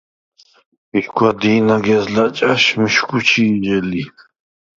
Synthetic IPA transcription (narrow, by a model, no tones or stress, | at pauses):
miʃkʰwad̪iːnaɡɛzlat͡ʃʼaʃmiʃkʰʼut͡ʃʰiːd͡ʒɛli